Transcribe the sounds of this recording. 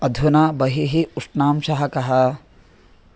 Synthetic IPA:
ɐd̪ʱunaːbɐɦiɦiuʂnaːmʃɐɦɐkɐɦɐ

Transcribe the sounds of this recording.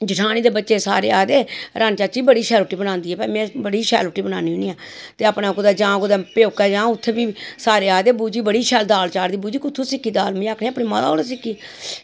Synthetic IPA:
d͡ʒɪʈʰaːñiːd̪eːbətːt͡ʃeːsa̰ːɾeːaːd̪eːɾʔant͡ʃaːt͡ʃiːbəɽiːʃɛːlʊʈːiːbənãːnd̪iːɛːpɛimɛ̃ːbəɽiːʃɛ̰ːlʊʈːiːbəna̰ːniːɦʊniːãː | t̪eːəpnãːkʊd̪aːd͡ʒãːkʊd̪aːpjoːkɛːd͡ʒãːʊt̪ʰːeːbiːsaːɾeːaːd̪eːbuːd͡ʒiːbəɽiːʃɛːld̪aːlt͡ʃaːɾd̪iːbuːd͡ʒiːkʊt̪ʰːõːsɪkːiːd̪aːlmĩːaːkʰñːəpɽiːma̰ːd̪a̰oːɽeːsɪkːiː

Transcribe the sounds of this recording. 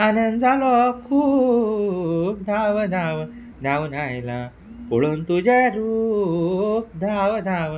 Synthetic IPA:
anənd̪d͡zalɔkʰuː | p̚d̪ʱaʋəd̪aʋə | d̪ʱaʋnajela | poɭunt̪ud͡ʑaɾu | p̚d̪ʱaʋəd̪aʋ

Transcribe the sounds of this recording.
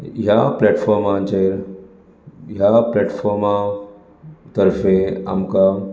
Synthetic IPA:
ɦjaplɛʈfɔɾmãt͡ɕeɾ | ɦjaplɛʈfɔɾmã | t̪əɾfẽa̰mka

